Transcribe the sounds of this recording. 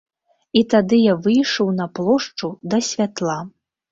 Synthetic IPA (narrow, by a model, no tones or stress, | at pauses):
it̪ad̪ɨjavɨjʂɔwnɐplˠɔʂt͡ʂud̪ɐsʲvʲat̪lˠa